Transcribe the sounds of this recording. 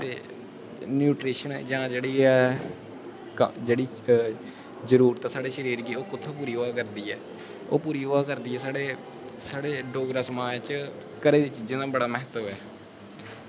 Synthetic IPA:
t̪ḛː | njuːʈɾiːʃənɛ̰ːd͡ʒãːd͡ʒeːɽiːɛː | kd͡ʒeːɽiː | zəɾuːɾt̪ãːsaːɽeːʃəɾiːɾɡiːoːkʊt̪ʰːaːpuːɾiːoʋaːkəɾd̪iːɛː | o̰ːpuːɾiːoaːkəɾd̪iːɛːsaːɽeː | saːɽeːɖoːɡɾaːsəmaːd͡ʒt͡ʃ | kəɾeːd̪iːt͡ʃiːd͡ʒẽːnaːbəɽaːmɛɦt̪ʋɛː

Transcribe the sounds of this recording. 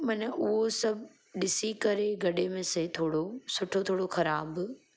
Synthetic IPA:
mɐnəʔʊɦosɐbʱ | ɗɪsikɐɾeɡɐɗemẽːset̪ʰoːɽosʊʈʰot̪ʰoːɽoxɐɾaːb

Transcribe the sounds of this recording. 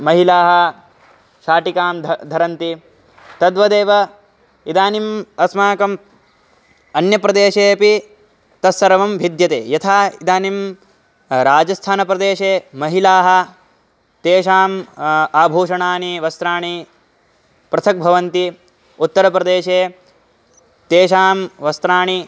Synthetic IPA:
mɐɦilaːɦɐ̆ | ʃaːʈikaːmdd̪ʱɐɾɐnt̪i | t̪ɐd̪ʋɐd̪eːʋɐ | id̪aːnimɐsmaːkɐm | ɐnjɐpɾɐd̪eːʃeːɐpi | t̪ɐsɐɾɐʋɐmbʱid̪jɐt̪ḛːjɐt̪ʰaːid̪aːnim | ɾaːd͡ʒɐst̪ʰaːnɐpɾɐd̪eːʃeːmɐɦilaːɦɐ̆ | t̪eːʃaːmaːbʱuːʂɐɳaːniʋɐst̪ɾaːɳi | pɾɐt̪ʰɐk̚bʱɐʋɐnt̪i | ut̪ːɐɾɐpɾɐd̪eːʃeː | t̪eːʃaːmʋɐst̪ɾaːɳi

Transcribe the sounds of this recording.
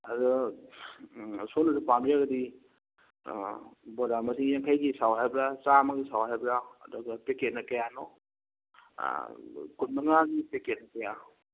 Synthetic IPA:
adu | sonazupambiɾaɡɐdi | bodamasiŋjaŋkʰajɡisawɦajbɾat͡ʃamaɡisawɦajbɾa̰ːduɡapeket̚nakajanɔ | kunmaŋaɡipeket̚nɐkaja

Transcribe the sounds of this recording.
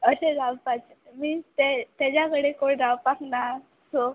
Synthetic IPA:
əsẽɾawpat͡ɕ | miːt̪et̪ad͡ʑjakəɽekoɽɾawpakna | so

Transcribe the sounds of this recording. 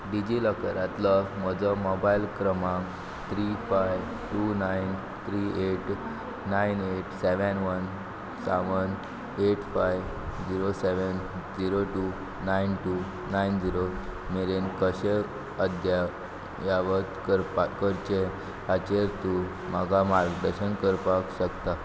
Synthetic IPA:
ɖid͡ʑiləkəɾat̪lɔm̤ɔd͡zɔmɔbailkɾəmãŋ | t̪ʰɾifajʋ | ʈunajn | t̪ʰɾieʈ | najneʈsɛʋənʋən | saʋən | eʈfajʋ | d͡ʑiɾoseʋən | d͡ziɾoʈu | najnʈu | najnd͡ziɾomeɾenkəɕe | əd̪ʱja | jaʋət̪kəɾpakəɾt͡ɕe | at͡ɕeɾt̪u | m̤aɡʱamaɾɡd̪əɾɕənkəɾpakɕəkt̪a

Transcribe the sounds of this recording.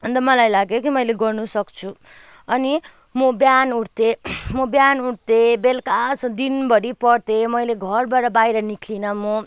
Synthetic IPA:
ɦʌnt̪ʌmʌlajlaɡjokimʌjleɡʌrnusʌkt͡sʰu | ʌni | mobjanuʈt̪emobjanuʈt̪ebelkat͡sd̪inbʌɾipʌrt̪emʌjleɡʱʌrbaʈʌbajɾʌnikʰlinʌmo

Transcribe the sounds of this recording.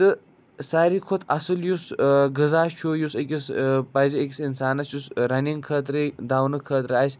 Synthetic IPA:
t̪ɨ | saːɾikʰot̪ʰɐsɨljusɡɨzaːt͡ʃʰoːjusek̬ʲispɐjziekʲisinsaːnɐsjusɾɐniŋɡkʰəːt̪̬ɾɨd̪aːwnɨkʰəːt̪ɾɨasʲ

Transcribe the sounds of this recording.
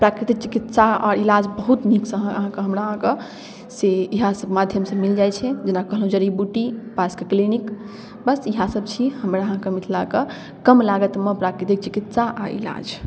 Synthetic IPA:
pɾakɾit̪ik̚t͡ʃi̥kit̪saɔɾilad͡ʒbəɦut̪niksəɦãəɦãkeɦəmɾaɦãke | seiɦãsəbmad̪ʱjəmsə̃mild͡ʒajt͡ʃʰɛd͡ʒenakəɦəlɦũd͡ʒəɾibuʈipaskeklinik | bəsiɦãsəbt͡ʃʰihəmɾaəɦãkemit̪ʰlake | kəmlaɡət̪mepɾakɾit̪ik̚t͡ʃikit̪saʔaḭla̰d͡ʒ

